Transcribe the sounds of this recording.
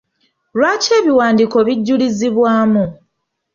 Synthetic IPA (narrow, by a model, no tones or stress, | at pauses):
lwaːce̞ːβiwaːndiko̞βiɟːuliziβwaːmu